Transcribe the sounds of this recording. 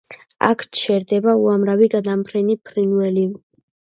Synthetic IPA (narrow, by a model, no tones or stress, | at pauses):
a̰kʰt͡ʃʰɛɾd̪ɛbauamɾaviɡad̪ampʰɾɛnipʰɾinvɛli